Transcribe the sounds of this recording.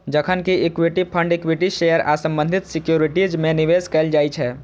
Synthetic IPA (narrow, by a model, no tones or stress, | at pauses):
d͡ʒəkʰənkiːkwiʈipʰəɳɖekwiʈiʃejəɾasə̃mbənd̪ʱit̪sikjuɾiʈid͡ʒmeniʋeskɛɪld͡ʒajt͡ʃʰɛ